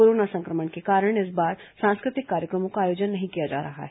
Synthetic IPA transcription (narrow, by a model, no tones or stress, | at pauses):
oːɾoːnasɐ̃ŋkɾəmənkekaːɾəɽ̃ɪs̬baːɾ | sãːnskɾɪt̪ɪkːaːɾjəkɾəmõkaaːjoːd͡ʒənːɐɦĩkijad͡ʒa̰ːɾɐɦa̰ɦɛ